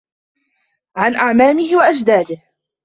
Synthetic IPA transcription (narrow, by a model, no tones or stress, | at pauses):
ʕanʔaʕmaːmɪhɪwaʔad͡ʒd̪aːd̪ɪh